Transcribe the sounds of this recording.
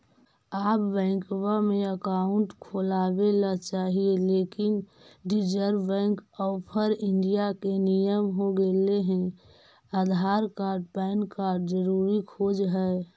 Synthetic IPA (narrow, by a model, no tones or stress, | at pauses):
aːpbɛ̃ɪkwamẽəkaʊɳʈkʰoːlabelat͡ʃaːɦieleːkɪn | ɖid͡ʒəɾbbɛ̃ːŋkɔpʰəɾɪɳɖijakenijəmɦoɡeleɦɛ̃ | ad̪ʱaɾkaːɾɖ̚pɛnkaːɾɖd͡ʒəɾuɾikʰod͡ʒɦɛː